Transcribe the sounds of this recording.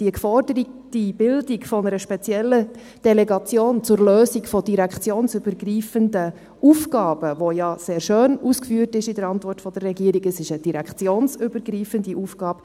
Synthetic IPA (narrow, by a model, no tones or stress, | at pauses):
d̥iəkfɔrdəɾətib̥ɪldikfɔnəɾəʃpɛt͡sjɛlːə | d̥ɛlɛɡɑt͡sjoːnt͡sʊɾløːsikfɔd̥iɾækχt͡sjoːnsøbəɾɡriːfəndə | uːfɡɑːb̥əʋojɑseːɾʃøːnuːskfyːərtɪʃidəɾɑntʋɔrtfɔd̥əɾːɛɡiəɾiɡəsɪʃəd̥iɾækχt͡sjoːnsʏbəɾɡɾiːfəndiʔuːfɡ̥ɑːb̥ə